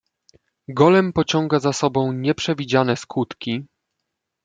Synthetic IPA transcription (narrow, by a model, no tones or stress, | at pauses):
ɡɔlɛmpɔt͡ɕɔŋɡazasɔbɔ̃w̃ɲɛpʂɛvʲid͡ʑanɛskut̪kʲi